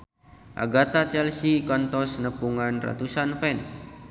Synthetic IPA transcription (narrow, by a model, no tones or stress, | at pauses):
ʔa̰ɡat̪at͡ʃɛlsikɔnt̪ɔsnəpuŋanra̰t̪usanfɛns